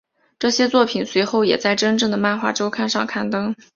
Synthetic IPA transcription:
ʈ͡ʂɤ˥˩ɕjɛ˥t͡swɔ˥˩pʰi˨˩nswe˧˥ɪxo˥˩ʊjɛ̰˨˩t͡sa˥˩ɪʈ͡ʂə˥nʈ͡ʂɤ˥˩ŋd̪ə˩ma˥˧nxwa̰˥˩ʈ͡ʂo˥ʊkʰa˥˧nʂɑ˥˧ŋkʰa˥˩nt̪ɤ˥ŋ

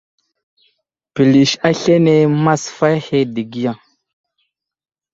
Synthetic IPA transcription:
pi˨li˨ʃa˦ɬe˦ne˦ma˦sfa˦jhe˦di˨ɡi˦ja˨ŋ

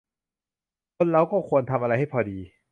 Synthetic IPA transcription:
kʰo˧nɾa˧wkɔː˥˩kʰu˧ənt̪ʰa˧mʔa˧ɾa˧jha˥˩jpʰɔː˧diː˧

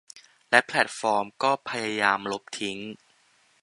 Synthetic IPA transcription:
lɛ˦˥pʰlɛ˨˩t̪̚fɔː˧mkɔː˥˩pʰa˧jaː˧jaː˧mlo˦˥p̚t̪ʰi˦˥ŋ

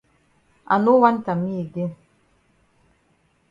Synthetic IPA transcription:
a˨nu˦wa˦nta˨mi˦˨ɡe˦

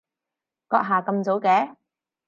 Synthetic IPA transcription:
kɔː˧k̚ɦaː˨˩kɐ˧mt͡so˨˥wkɛː˨˦

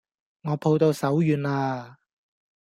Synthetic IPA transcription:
ŋɔː˨˧pʰo˧wt̪o˧wsɐ˨˥wjyː˨˧naː˧

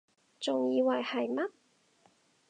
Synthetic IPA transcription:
t͡sʊ˨ŋjiː˧wɐ˨˩jhɐ˨jmɐ˥t̚

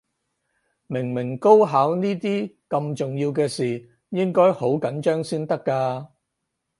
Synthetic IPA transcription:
mɪ˨˩ŋmɪ˨˩ŋko˥wɦaː˨˥wniː˥t̪iː˥ | kɐ˧mt͡sʊ˨˩ŋjiː˧wkɛː˧siː˨ | jɪ˥ŋkɔː˥jho˨˥wkɐ˨˥nt͡ʃœː˥ŋsiː˥nt̪ɐ˥kːaː˧

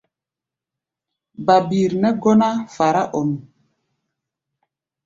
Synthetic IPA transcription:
ba˨bi˨ɾnɛ˦ɡɔ˦na˦fa˨ɾa˦ʔɔ˨m˨

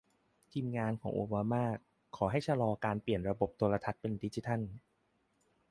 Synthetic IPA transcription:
t̪ʰiː˧mŋaː˧nkʰɔː˩˦ʔṵː˧baː˧maː˥˩ | kʰːɔː˩˦ɦa˥˩jt͡ɕʰa˧lɔː˧kaː˧npli˨˩ənɾa˧bo˨˩p̚t̪u˧la˧t̪ʰa˦˥t̪̚pe˧ndi˦˥t͡ɕi˧t̪ʰa˥˩n

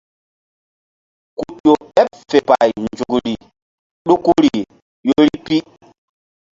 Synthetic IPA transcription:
ku˨ʄo˨ɛ˦pfe˨pa˨jnd͡ʒu˨kɾi˨ | ɗu˦ku˦ɾi˨ | jo˦ɾi˦pi˦

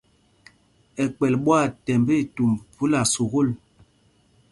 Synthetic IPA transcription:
ɛ˨k͡pɛ˨lɓwa˦˨tɛ˨mbi˦˨tu˨mvu˦la˨su˨ɣo˦˨l

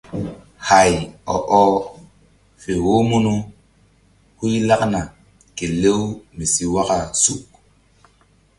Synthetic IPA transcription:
ha˨jɔ̰˨ʔɔ˦ | fe˨wo˦mu˦nu˦ | hu˦jla˦kna˨ | ke˨le˦wmi˨si˨wa˦ka˨su˦˨k

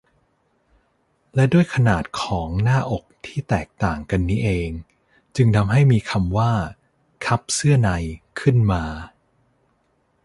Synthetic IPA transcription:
lɛ˦˥du˥˩əjkʰa˧naː˨˩t̪̚kʰɔː˩˦ŋnaː˥˩ʔo˨˩k̚t̪ʰiː˥˩t̪ɛː˨˩k̚t̪aː˨˩ŋka˧nːiː˦˥ʔeː˧ŋ | t͡ɕɯ˧ŋt̪ʰa˧mɦa˥˩jmiː˧kʰa˧mwaː˥˩ | kʰa˦˥p̚sɯ˥˩ɐna˧jkʰɯ˥˩nmaː˧

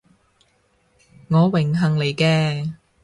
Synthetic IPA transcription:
ŋɔː˨˧wɪ˨˩ŋɦɐ˨˩ŋle˨jkɛː˧

